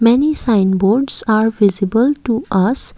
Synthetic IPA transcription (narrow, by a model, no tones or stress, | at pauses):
mɛnisãɪ̃nboːɾɖsaːɾʋɪzɪbəlʈuʔʌs